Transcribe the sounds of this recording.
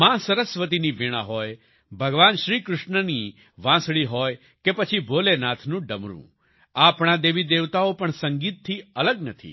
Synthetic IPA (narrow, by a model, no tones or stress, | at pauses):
mãsəɾəsʋət̪̬iniʋɪɽ̃ã̰ɦɔːj | bʱəɡʋaːnʃɾiːkɾʊʃɳəni | ʋãsɭiɦɔːj | kepət͡ʃʰiboːlenaːt̪ʰnũɖəmɾṵ̃ | aːpɳad̪eːʋid̪eːʋt̪aopəɳsə̃ŋɡiːt̪̚t̪ʰːiələɡnət̪ʰḭː